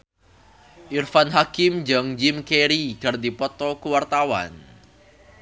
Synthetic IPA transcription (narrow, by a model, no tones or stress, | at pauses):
ʔirfanɦakɪmd͡ʒaŋd͡ʒɪmkeɾikard̪ipɔt̪ɔkuwart̪awa̰n